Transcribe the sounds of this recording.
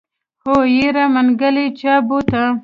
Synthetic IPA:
hojiɾamanɡəlit͡ʃabut̪a

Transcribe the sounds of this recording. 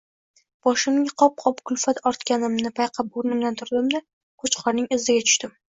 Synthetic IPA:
b̥ɒʃɪmɡʲaqʰɒp̚qʰɒpkʰʊlˠfat̪ʰɒɾt̪kʲanɪmnɪpʰajqʰap̚oɾɪnɪmd̪ant̪ʰʊɾd̪ɪmd̪a | kʰʊt͡ʃqʰɒɾnɪŋɪzɪɡʲat̪ʰʊ̥ʃt̪ɪm

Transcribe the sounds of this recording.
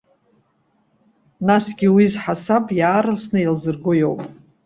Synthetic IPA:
nasɡʲiwizħasapʼjaːɾasnɨilzɨrɡojo̞wpʼ

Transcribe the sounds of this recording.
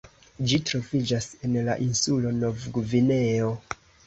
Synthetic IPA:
d͡ʒitɾo̞vid͡ʒase̞nlaʔinsulo̞no̞vɡuvine̞o̞

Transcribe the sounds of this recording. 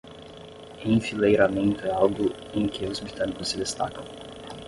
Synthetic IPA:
ĩfilejɾamẽnt̪ʊɛawɡʊ | ẽj̃kɪʊzbɾit̪ɐ̃nikʊsːɪd̪est̪a̰kɐ̃w̃

